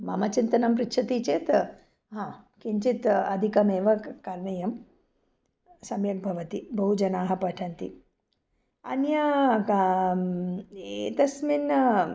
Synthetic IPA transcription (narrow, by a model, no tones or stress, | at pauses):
maːmɐt͡ʃint̪ɐnɐmpɾikʃʰɐt̪iːt͡ʃeːt̪ | ɦãːkiɲt͡ʃit̪ɐd̪ʱikɐmeːʋɐkaɾɳɐjɐm | sɐmjɐk̚bʱɐʋɐt̪ibɐɦud͡ʒɐnaːɦɐ̆pɐʈʰɐnt̪i | ɐ̰njɐ | et̪ɐsmin